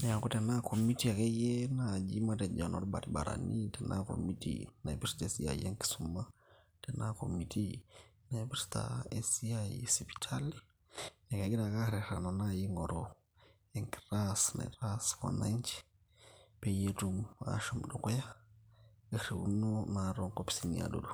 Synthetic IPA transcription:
nɛ˨a˨kɔ˦tɛ˨na˦kʰɔ˨mi˦ti˦a˨kɛ˦jɛ˦na˨d͡ʒi˦ma˦tɛ˨d͡ʒa˨nɔ̰˨ɾu˦ɓa̰˨ɾi˨ɓa̰˨ɾa̰˨ni˦tɛ˨nʔa̰˦kɔ̰˨mi˦tḭna˨ivɛsi̥tːsia̰˨ḭɛ˦ŋki̥˨suma˦ | tɛ˨na˦kɔ˨miti˦na˨i˨vɛɾsi̥ta̰ɛsi˦asi˨pi̥˨tʰa˦li | nɛ˨ka˨ɡi˦ɾa˨ka˦ɾɛ˨ɾa˨na˨naji˦ŋɔ˨ɾɔ | ɛ˨ŋki̥˨ɾasna̰˨iɾaska̰˨na˦ɲt͡ʃi̥ | pe˨je˦tuma̰ʃɔ˨mɗɔ˨kɔ˦ja | keɾe˨ṵ˦no˦naɾɔ˦ŋko˦pi̥si˨nia̰do̰du˨

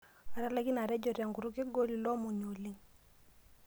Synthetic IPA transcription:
a˨ɾa˦la˦ki˦na˨ɾɛ˦d͡ʒɔ˨ɾja˨ŋɡu˨ɾu˦ki˦ɡo˦li˨lɔ˦mu˨ɲo˨li˦ŋ

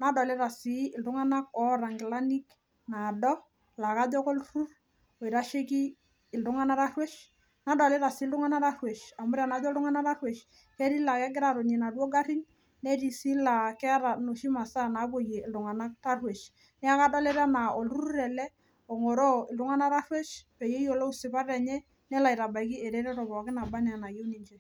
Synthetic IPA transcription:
na˨dɔ˨le˦ɾa˨si˨˦ɪ˨ldu˦ŋa˦na˦kɔ˨˦ɾa˨ŋɡɪ˨la˦ni˦k | na˨dɔ˦ | la˨ka˦d͡ʒɔ˦ko˦lɾu˦r | o˨i˨ɾa˦ʃe˦kiː˦˨ | ldu˦ŋa˦na˦ɾa˦rwe˦ʃ | na˨˦dɔ˨le˦ɾa˨si˨˦ldu˦ŋa˦na˦ɾa˦rwe˨ʃa˨mʊ˦ɾa˨na˨˦d͡ʒɔ˦ldu˦ŋa˦na˦ɾa˦rwe˨ʃ | ke˦ɾi˦la˨kɛ˦ɡɪ˦ɾa˨ɾo˨ɲi˨na˨du˦o˦ɡa˦ɾi˦n | ne˦ɾi˨si˦la˨kɛ˦ɾa˨no˨ʃi˦ma˨sa˦na˨˦po˨je˨ɪ˨ldʊ˨ŋa˨na˦ta˦rwe˨ʃ | nɛ˦a˦ka˦da˦le˦ɾa˦na˨o˨lu˦ɾu˦ɾɛ˨lɛ˦ | ɔ˨ŋo˨ɾo˦ɪ˨ldʊ˦ŋa˦na˦ɾa˦rwe˦ʃpɛ˨je˦jo˨lo˦u˦sɪ˨pa˦ɾɛ˨ɲɛ˦ | nɛ˦la˨i˨ɾa˨ba˨jk̬i˦e˨ɾe˦ɾɛ˦ɾɔ˨bɔ˨a˨kɪ˦na˨ba˦nɛ˨a˨na˨je˦wni˦ɲt͡ʃɛ˦

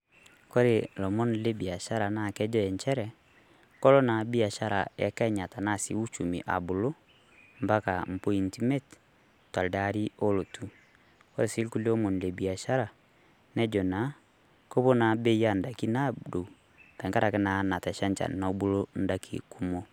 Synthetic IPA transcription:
kɔ˦ɾe˨lɔ˨mɔ˦n˨le˦bi˨a˨ʃa˦ɾa˨na˦˨kɛ˦d͡ʒɔ˦ɛ˨ɲt͡ʃɛ˦ɾɛ˨ | kɔ˦lɔ˦na˨bi˦a˨ʃa˦ɾa̰˨ɛ̰˨˦kɛ˦ɲa˨ta˨na˦˨sḭ˨u˦t͡ʃu˨mḭ˨ʔa̰˨bu˨lo˦ | mba˦ka̰˨m̩˨po˦i˨nti˦mɛ˦t | twa˨lda˦ɾi˦o˦lo˨tu˦ | kɔ˦ɾe˨si˦lku˦lɔ˦mo˨n˨le˨bi˨a˨ʃa˦ɾa˨ | nɛ˦d͡ʒɔ˨na˨˦ | ko˦βo˦na˨be˦ja˦nda˨ki˦na˦do˨ | ta˨ŋka˦ɾa˨kɛ˦na˨na˨tɛ˨ʃa˦ɲt͡ʃa̰˨na˨˦bu˦lo˦n˦da˦kʰḭ˨ku˦mo˦

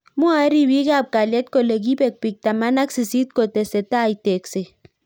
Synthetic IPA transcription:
mu˦a˨˦ɾi˦wi˦ka˦˨p̚ka˨lɛ˦t̚ko˨le˨ɡ̬i˦be˨k̚pi˨k̚ta˨ma˦na˦ksi˨si˦t̚ko˨tɛ˨sɛ˨ta˦˨i˨te˨kse˨

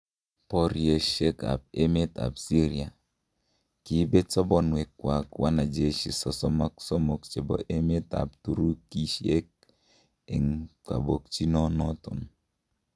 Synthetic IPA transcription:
pɔ˨ɾje˨ʃe˦ka̰˨p̚e˦me˦ta̰˨bsi˦ɾi˨a˨ | ki˦be˦t͡sɔ˦bɔ˦nwe˨kːwa˨kwʔa˦na˨d͡ʒe˨ʃi˨sɔ˨sɔ˦ma˦ksɔ˦mo˨k̚t͡ʃe˨bɔ̰˨ʔe˦me˦ta̰˨p̚tu˨ɾu˦ki˦ʃi˦e˦k̚ | e˨ŋka̰˨bo˨k̚t͡ʃi˦nɔ˦nɔ˦tʊ̰˨n

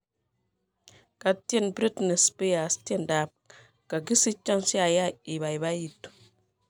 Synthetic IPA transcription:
ka˨te˦nbɾi˦tne˨spe˦a˨ste˦˨nda˨p̚ | ka˨ɡi˦si˦t͡ʃɔ˦nsi˦a˨ja˦i˨βa˨i˨ba˦ji˨tu˨

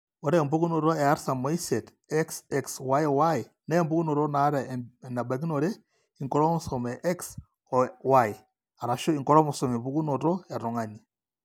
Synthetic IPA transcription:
o˨ɾe˦˨mbu˦ɡu˦no˨ɾo˦e˨a˦ɾsa˨mo˦i˦se˨t | ɛ˦ksɛ˦kswa˦jwa˦i˨ | na˦mbu˦ɡu˦no˨ɾo˦na˨˦ɾa˨na˨ba˨ɡi˦no˨ɾe˦ | i˨ŋkɔ˦ɾo˦mu˨so˨me˨ʔɛ˦ks | wa˦˨i˨ | a˨ɾa˨ʃo˦i˨ŋkɔ˦ɾo˦mu˨so˨me˨bu˦ɡu˦no˨ɾo˦a˨ɾo˨ŋa˨ni˨

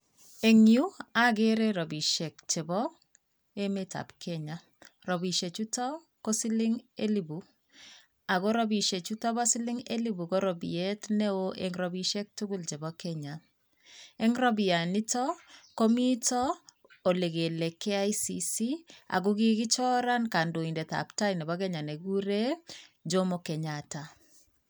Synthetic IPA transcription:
e˨ŋju˦a˦ɡe˦ɾe˦ɾɔ˨bi˨ʃɛ˨kt͡ʃe˨bɔ˦ | e˦me˦ta̰˨pkʰɛ˦ɲa˨ | ɾɔ˨bi˨ʃe˨t͡ʃu˦tɔ˦ | ko˦si˦lɪ˦ŋe˦li˨bu˨ | a˨ɡo˦ɾɔ˦bi˨ʃe˨t͡ʃu˦tɔ˦ba˦si˦lɪ˦ŋḛ˦li˦bu˨ko˦ɾɔ˨bḭ˨e˦tne˦o˦ʔe˨ŋɾɔ˨bi˦ʃe˦k̚tu˦ɡu˦lt͡ʃe˨bɔkɛɲa˨ | e˦ŋɾɔ˦bi˨a˨ni˦tɔ˦ko˦mi˦tɔ˦ | o˨le˨ɡe˨le˨kɛ˦a˦isisi˦a̰˨ɡu˦ɡi˦ɡɪ˦t͡ʃɔ˦ɾa˦nka˨ndo˨i˨nde˨t̪a̰˨pta˦jnɛ˨bɔ˦ɡɛ˦ɲa˨ne˨ɡu˦ɾe˦d͡ʒo˦mo˨kɛ˨ɲata˨

